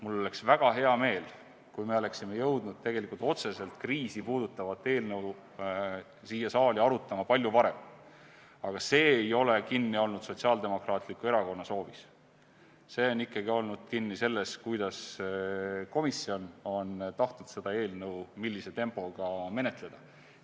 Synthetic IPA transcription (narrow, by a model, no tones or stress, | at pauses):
mulːo̞leksvæɡ̥ɑɦe̞ɑme̞ːl | kujme̞o̞le̞ksime̞jɤwd̪̥nud̪̥̚t̪e̞ɡ̥e̞likˑult̪o̞t̪se̞se̞lt̪kriːsipuːd̪̥ut̪ːˑɑvɑt̪ːˑe̞ːlnɤw | siːjɑsɑːliɑɾut̪ːˑɑmɑpɑlʲjuvɑɾe̞m | ɑɡ̥ɑse̞ːjo̞le̞kinːio̞lnud̪̥so̞t̪ʲsiɑːld̪e̞mo̞krɑːt̪ˑlikue̞ɾɑko̞nːɑso̞ːvis | se̞ːo̞nikːˑɑɡio̞lnud̪̥kinːise̞lːe̞skujd̪̥ɑs | ko̞misio̞no̞nt̪ɑht̪ud̪̥se̞d̪̥ɑe̞ːlnɤwmilːise̞t̪e̞mpːˑo̞ɡ̥ɑme̞ne̞t̪ˑle̞d̪̥ɑ